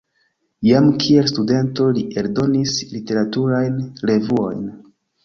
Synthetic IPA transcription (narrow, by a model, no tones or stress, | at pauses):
jamkʰie̞lstude̞nto̞liʔe̞ldo̞nislite̞ɾatuɾajnle̞vuo̞̰jn